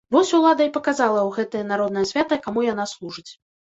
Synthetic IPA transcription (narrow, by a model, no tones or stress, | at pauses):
vɔsʲulˠad̪ɐipɐkazalˠɐwɣɛt̪ɐjɐnaɾɔd̪nɐjɐsʲvʲat̪ɐkamujan̪aslˠuʐɨt͡sʲ